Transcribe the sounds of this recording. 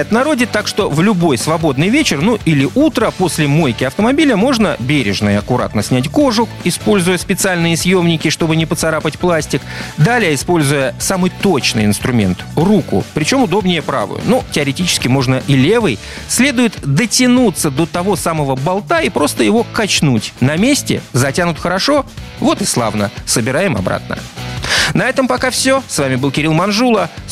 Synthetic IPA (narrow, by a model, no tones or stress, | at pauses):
t̪nɐɾo̞dʲɪt̪ːakʂt̪o̞vlʲʊbo̞jsvɐbo̞d̪nɨjvʲet͡ɕɪrnuʔilʲɪʔut̪ɾəpo̞sʲlʲɪmojkʲɪɐft̪əmɐbʲilʲəmo̞ʐnəbʲeɾʲɪ̰ʐnə̰jəɐkʊɾa̰t̪nəsʲnʲætʲko̞ʐʊ | ɪspo̞lʲzʊjəspʲɪt̪sɨalʲnɨjəsʲjo̞mnʲɪkʲɪʂt̪o̞bɨnʲɪpət̪sɐɾapətʲplˠasʲtʲɪkd̪alʲɪjəɪspo̞lʲzʊjəsamɨjt̪o̞t͡ɕnɨ̰jɪ̰nst̪ɾʊmʲe̞̰nt̪rukʊ̰pɾʲɪt͡ɕo̞mʊd̪o̞bnʲɪjəpɾa̰vʊ̰jʊ̰nutʲɪəɾʲɪtʲit͡ɕɪ̥skʲɪmo̞ʐnəʔilʲe̞vɨj | sʲlʲe̞d̪ʊjɪt̪d̪ətʲɪnut̪səd̪o̞t̪ɐvo̞saməvəbalˠt̪aipɾo̞st̪əjɪvo̞kɐt͡ɕnutʲnɐmʲesʲtʲɪ̰zɐtʲanʊt̪xəɾɐʂo̞vo̞t̪ɨslˠa̰vnəsəbʲɪɾajɪmɐ̰bɾa̰t̪nə̰ | nɐɛt̪əmpɐkafsʲosvamʲɪbɨlˠkʲɪɾilˠmɐnʐulˠə